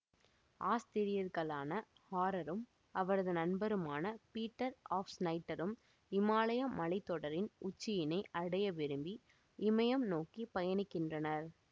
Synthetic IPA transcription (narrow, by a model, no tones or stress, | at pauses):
ʔaːst̪ɪɾɪjɐɾɣɐɭaːnɐ | haːɾɐɾɯm | ɐʋɐɾɐðɯnɐnbɐɾɯmaːnɐpiːʈːɐɾaːfsnɐɪʈːɐɾɯm | ɪmaːlɐjɐmɐɭɐɪt̪ːɔɽɐɾɪnʊt͡ʃːɪjɪnɐɪʔɐɽɐjɐʋɪɾɯmbi | ɪmɐjɐmnoːkipɐjɐnɪkːɪndrɐnɐɾ